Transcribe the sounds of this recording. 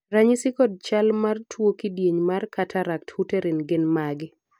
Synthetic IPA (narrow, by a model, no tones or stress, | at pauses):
raɲɪsɪkɔd̚t͡ʃalmartʰwokidjeɲmarkʰatʰaɾak̚thuteɾɪnɡɪnmaɡɪ